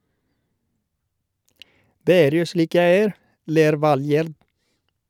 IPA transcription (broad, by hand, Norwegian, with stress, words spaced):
ˈdeː ˈeːɾ ˈjuː ˈʃɭiːk ˈjæɪ ˈeːɾ ˈleːɾ ˈʋɑlˌjeːɾd